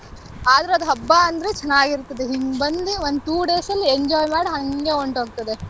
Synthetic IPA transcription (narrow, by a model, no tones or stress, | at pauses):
aːd̪ɐɾeɐd̪uɦɐbːaɐnd̪ɐɾe̞t͡ʃɛnːaːɡiɾt̪ɐd̪eɦiŋɡbɐnd̪iʋond̪ut̪uːɖeːsɐlːieɲd͡ʒɔːjmaːɽiɦɐŋɡe̞oɳʈoːɡ̚t̪ɐd̪e